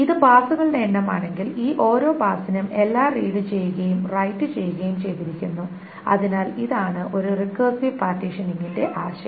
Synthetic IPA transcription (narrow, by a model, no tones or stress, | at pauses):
iðɨbaːsuɣɐɭneːɳːɐma̰ːɳe̞ŋɡiliːʔo̞ːɾo̞ːbaːsinɐme̞lːaːriːɽit͡ɕe̞jːuɣɐjumrɐjtːɨt͡ɕe̞jːuɣɐjumt͡ɕe̞jt̪iɾikʲːunːu | ɐ̰ðinaːliðaːɳɨʔo̞ɾurikɐːsipaːrtiʂɐniŋːinde̞ʔaːɕɐ̰